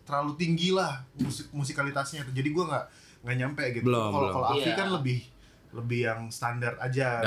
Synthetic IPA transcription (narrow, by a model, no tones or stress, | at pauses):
t̪əɾlalut̪iŋɡilahmuikmus̬ikalit̪asɲat̪d͡ʒadiɡuaŋɡaʔ | ŋɡaʔɲampɛɡit̪bəlkalokaloafikanləbɪh | ləbɪhjaŋst̪andart̪ad͡ʒa